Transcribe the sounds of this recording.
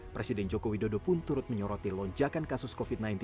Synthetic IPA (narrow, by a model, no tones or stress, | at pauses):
pɾesidɛnd͡ʒokowidodopʊnt̪uɾʊt̪̚məɲɔɾɔt̪ilɔɲd͡ʒakankasʊskofit̪̚najnt̪